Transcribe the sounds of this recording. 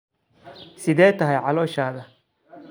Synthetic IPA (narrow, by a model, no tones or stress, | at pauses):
sɪðɛːt̪ʰɐɦɛjʕɑlɔːʃaːðɐ